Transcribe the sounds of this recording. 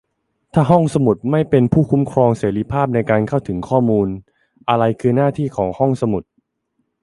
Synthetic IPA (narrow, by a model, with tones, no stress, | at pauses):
t̪ʰaː˥˩ɦɔ˥˩ŋsa˧mu˨˩t̪̚ma˥˩jpe˧npʰuː˥˩kʰu˦˥mkʰɾɔː˧ŋseː˩˦ɾiː˧˥pʰaː˥˩p̬̚na˧jkaː˧nkʰa˥˩wt̪ʰɯ˩˦ŋkʰɔː˥˩muː˧n | ʔa˧ɾa˧jkʰɯː˧naː˥˩t̪ʰiː˥˩kʰɔː˩˦ŋhɔ˥˩ŋsa˧mu˨˩t̪̚